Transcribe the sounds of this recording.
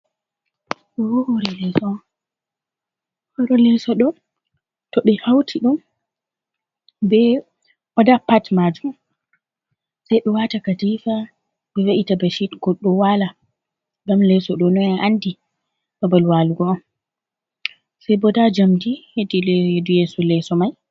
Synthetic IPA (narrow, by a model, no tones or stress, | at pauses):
ɔɔhoɾɛlɛsɔ | hɔɾɔlɛsɔɗɔ | tɔɗɛhawtʰiɗun | bɛ | ʔɔdapatmad͡ʒum | sajɗɔwatakadifa | bɛwaʔitabaʃitɡ̥ɔɗːɔwala | ɡamlɛsɔɗɔnɔɛʔandi | babalwaluɡɔam | sajbɔdad͡ʒamtihedilhedujɛsɔlɛsɔmaj